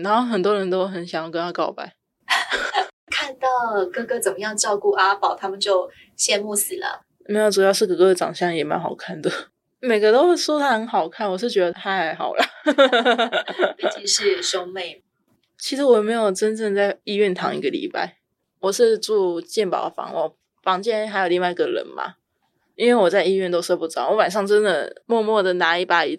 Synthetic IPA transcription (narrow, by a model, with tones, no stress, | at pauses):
ɻa˧˥nxo˥˩xə˨˩nt̪wɔ˥ɻə˧˥nt̪o˥ʊxə˧˦nɕ̬jɑ˨˩ŋjɑ˥˩ʊkə˧nt̪ʰa˥kɑ˥˩ʊpa̰˥˩ɪ | kʰa˥˧nt̪ɑ˥˩ʊkɤ˥˧kɤ˥˩t͡sə˨˩mə˦jɑ˥˧ŋʈ͡ʂɑ˥˧ʊku˥˩ʔa˥pɑ˨˩ʊt̪ʰa˥mə˨nt͡ɕjo˥˩ʊ | ɕjɛ˥˧nmu˥˩sɹ̩˨˩lə̰˦ | me˧˥ɪju˥˩jɑ˥˧ʊʂɻ̩˥˩kɤ˧˩kɤ˥˧ə˧˩ʈ͡ʂɑ̰˨˩ŋɕjɑ˥˩ŋjɛ˨˩ma̰˧˦nxɑ˨˩ʊkʰa˥˩nd̪ə˨ | me˨˩ɪɡə˧˦t̪o˥ʊxe˥˩ɪʂwɔ˥t̪ʰa˥xə˧˥nxɑ˨˩ʊkʰa˥˩nwɔ˨˩ʂɻ̩˥˩t͡ɕɥɛ˧˥d̪ə˧˩t̪ʰa˥˧ɪxɑ˨˩ʊlə˦ | i˨˧˩ʂɻ̩˥˧ʂo˥ŋme˥˩ɪ | t͡ɕʰi˧˥ʂɻ̩˧˥wɔ˨jɛ˨˩me˧˥ɪjo˨˩ʊʈ͡ʂə˥˦nʈ͡ʂə˥˧ŋt͡sa˥˩ɪi˥˧ɥɛ˥˩nt̪ʰɑ˧˥ŋḭ˧˥ɡə˨lḭ˨˥˦pa̰˥˩ɪ | wɔ˨˩ʂɻ̩˥˧ʈ͡ʂu˥˧t͡ɕjɛ˥˩npɑ̰˨˩ʊdə˨˩fɑ̰˧˥˦ŋwɔ̰˥˩ | fɑ˧˥ŋt͡ɕjɛ˥nxa˧˥ɪjo˨˩ʊli˥˧ŋwa˥˩ɪi˧˥ɡə˨ɻə̰˧˦nma̰˨ | i˥nwe˥˩ɪwɔ˨˩t͡sa˥˧ɪi˥˧ɥɛ˥˩nt̪o˥ʊʂɤ˥˧pu˥˩t͡sɑ˨˩˦wɔ˧˥wa˨˩nʂ̬ɑ˥˩ŋʈ͡ʂə˦˥nd̪ə˨mwɔ˥˧mwɔ˥˩d̪ə˩na˧˥i˥˩pa˧˩i˨˩